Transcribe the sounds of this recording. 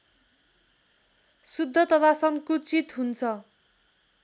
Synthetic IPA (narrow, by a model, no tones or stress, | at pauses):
sud̪ʱːʌt̪ʌt̪ʰasʌŋkut͡sit̪ɦunt͡sʰʌ